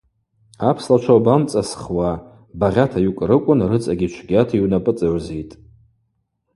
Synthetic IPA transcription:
apʰslat͡ʃʷʰawbamt͡sʼasχwa | baʁʲatʰajukʷʼrɨkʷʼʊnrɨt͡sʼaɡʲit͡ʃʷʰɡʲatʰaiwnapʼɨt͡sʼaʕzejtʼ

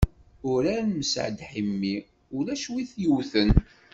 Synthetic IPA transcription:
ʊɾæɾməsʕd̪ħimːi | ʊlæʃwiθjuwθən

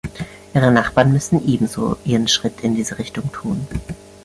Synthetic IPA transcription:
ʔiːʁ̞ənaχb̥aːɐnmʏsn̩ʔeːbm̩zo̰ːʔiːʁənʃʁ̥ɪtʰɪndiːzəʁɪçtʊŋtʰuːn

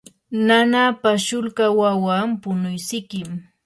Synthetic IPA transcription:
nanapaʃʊlkawawampʊnʊjsɪkɪm

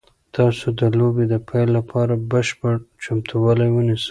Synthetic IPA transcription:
t̪ɑsod̪əlobed̪əpʰajlːapʰɑɾabəʃpəɽt͡ʃamt̪ʰuwɑlajwənisə̥

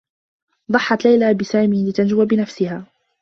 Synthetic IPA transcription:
d̪ˤɑħːɑt̪lajlaːbɪsaːmiːlɪt̪and͡ʒʊwabɪnafsɪhaː

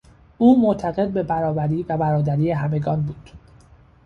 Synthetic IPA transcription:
ʔuːmoʔt̪ʰæɣe̞d̪̚be̞bæɾɒːbæɾiːvæbæɾɒːd̪æɾiːeɦæme̞ɡɒːnbuːd̪̥

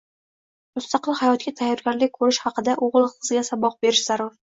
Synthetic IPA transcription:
mʊst̪ɑqɨlˠhajɒt̪̚kʲat̪ʰajːɒɾɡʲaɾlɪk̚ʲkʰɵɾɪʃhɑqɨd̪aʔoʁlˠqʰɨzɡʲasabɒq̚be̞ɾɪʃz̥aɾʊɾ

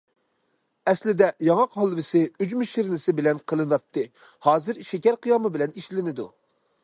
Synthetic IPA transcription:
ɛslɪd̪ɛjɑŋɑqhɑlˠvɪsɪyd͡ʒmyʃiɾnɪsɪbɪlɛnqʰəlˠɨnɑt̪ʰːɨ | hɑːzɨɾʃɛkʲɛɾqʰijɑmɨbɪlɛniʃlɪnɪd̪ṵ

